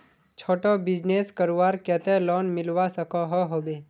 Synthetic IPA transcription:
t͡ʃʰoːʈɔbɪd͡ʒneːskəɾʋaːɾkɛt̪elɔːnmɪlwasəkɔɦɔɦoːbe

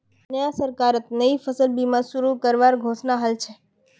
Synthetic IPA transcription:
nəjasəɾkaɾət̪̚nəifəsəlbimãsuɾukəɾʋaɾɡʱosnaɦəlt͡ʃʰe

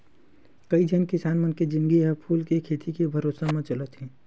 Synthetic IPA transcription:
kɐid͡ʒʱənkɪsaːnmɐnked͡ʒɪ̃ŋɡiɦɛpʰuːlkekʰeːt̪ʰikebʱɐɾoːsamẽt͡ʃɐlət̪ɦɛ̃ː

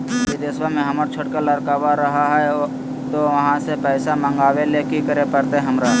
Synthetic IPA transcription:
kid̪ɪswamẽɦɐməɾt͡ʃʰʊɽkəlɐɾkaːʋaɾɐɦaɦɛ | t̪oʋɐɦãsepɛːsamɐ̃ŋɡaːʋelekikəɾepəɾt̪eɦɐmɾa

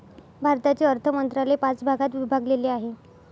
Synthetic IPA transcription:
bʱaɾt̪at͡ɕeəɾt̪ʰəmənt̪ɾalepat͡sbʱaɡat̪ʋibʱaɡleleːaɦe

